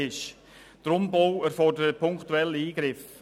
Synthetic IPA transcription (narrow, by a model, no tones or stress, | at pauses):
ɪʃ | d̥əɾʊmbowɛɾfɔrdəɾəpʰʊŋktuɛlːiːɡ̥ɾɪf